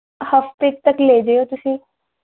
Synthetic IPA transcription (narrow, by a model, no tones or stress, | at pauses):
həft̪ɪk̚t̪əkleːd͡ʒeoːt̪ʊsĩː